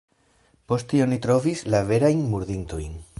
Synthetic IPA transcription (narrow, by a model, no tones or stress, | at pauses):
po̞sttio̞nitɾo̞vislave̞ɾajnmuɾðinto̞jn